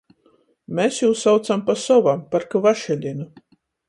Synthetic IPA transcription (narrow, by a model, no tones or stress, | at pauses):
mʲesjuːsːawt̪sampasɔvampaɾkavaʃɛlʲinu